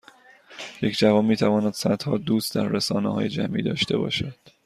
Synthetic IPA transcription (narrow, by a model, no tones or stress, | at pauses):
je̞cʰd͡ʒævɒːnmiːt̪ʰævɒːnæd̪̥sæt̪hɒːd̪uːst̪d̪æɾːesɒːnehɒ̰ːje̞d͡ʒæmʔḭːd̪ɒ̰ːʃt̪ʰe̞bɒ̰ːʃæd̪̥